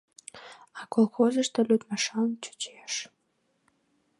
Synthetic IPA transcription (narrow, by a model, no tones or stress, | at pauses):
ɑkolˠxozəʃt̪əlʲyt̪mɑʃɑnt͡ɕu̥t͡ɕeʃ